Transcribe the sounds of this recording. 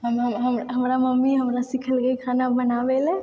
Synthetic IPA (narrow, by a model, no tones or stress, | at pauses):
ɦəmɦəmɦəmɦəmɾaməmːiɦəmɾasikʰəlɡekʰaːnabənaːʋelɛ